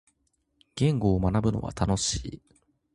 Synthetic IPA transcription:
ɡ̥ẽ̞ŋɡo̞ːmanabɯ̟no̞̰βa̰t̪ano̞ɕiː

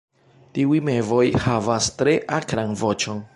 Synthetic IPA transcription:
tiujme̞vo̞jhavastɾe̞ʔakɾanvo̞t͡ʃo̞n

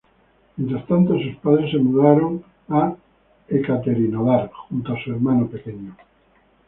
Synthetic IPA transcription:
ment̪ɾast̪ant̪osuspaðɾesːemuðaɾoŋ | a | ekat̪eɾinoðaɾxunt̪oasueɾmãnope̞keɲo

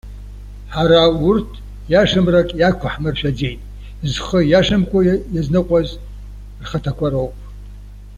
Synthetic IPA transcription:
ħaɾaurtʰ | jaʂɨmrakʼjakʷʰʊħmɨrʃᶣad͡zejtʼ | zχəjaʂɨmkʷʰajaznɨqʷʼaz | rχatʰakʷʰaɾowpʼ

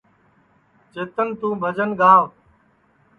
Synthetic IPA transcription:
t͡ʃeːt̪ənt̪ũːbʱəd͡ʒənɡaːʋ

